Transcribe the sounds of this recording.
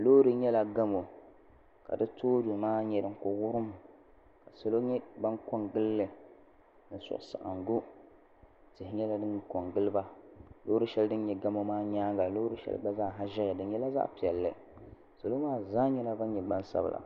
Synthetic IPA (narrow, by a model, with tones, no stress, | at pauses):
loː˦ɾɨ˦ɲɛ˦la˨ɡa˦mo˨ | ka̰˨dɨ˦toː˦du˨maː˦ɲɛ˨ɾɨ˨ŋ˨kʊ˨ɣʊ˦ɾɨ˦m˨ | ka˨so˨lo˦ɲɛ˦ba˦nko˦ŋɡɨ˦lːɨ˨ | nɨ˨sʊ̰˨ʔʊ˨sa̰˨ʔa̰˨nɡo˦ | tɪ˨hɪ˨ɲɛ˦la˦dɨ˦nko˨ŋɡɨ˦lɨ˦ba˦lo˦ɾɨ˦ʃɛ˦ldɨ˦nɲɛ˨ɡa˦mo˦maː˦ɲaː˦ŋɡa˨lo˦ɾɨ˦ʃɛ̰˦l̰ba˦zaː˦˨ɦa˦ʒɛ˦ɣɛ˨dɨ˨nɲɛ˦la˦za̰˦pi˨ɛ˨lːɨ˨ | so˨lo˦maː˦zaː˦ɲɛ˦la˦ba˦nɲɛ˨ɡ͡ba˦nsa̰˦b̰lʔa̰˨